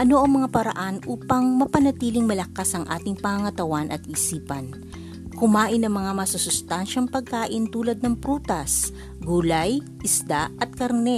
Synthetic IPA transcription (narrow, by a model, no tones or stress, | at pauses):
ʔɐno̞ʔɐŋmɐŋapɐɾɐ̰ʔanʔuːpɐŋmɐpɐnɐt̪iːlɪŋmɐlɐkːasɐŋʔa̰ːt̪ɪŋpɐŋɐŋɐt̪ɐwanʔɐt̪̚ʔiːsiːpɐn | kʊmaːʔɪnɐŋmɐŋamɐsʊsʊst̪anʃɐŋpɐɡ̚kaːʔɪnt̪uːlɐd̪̚nɐŋpɾuːt̪ɐs | ɡuːlɐj | ʔɪsd̪aɐt̪̚kɐɾnɛ